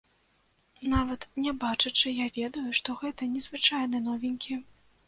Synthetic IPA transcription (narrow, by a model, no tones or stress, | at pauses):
navɐt̪nʲɛbat͡ʂɨt͡ʂɨjavʲɛd̪ujuʂt̪ɔɣɛt̪ɐnʲɛzvɨt͡ʂajnɨnɔvʲinʲkʲi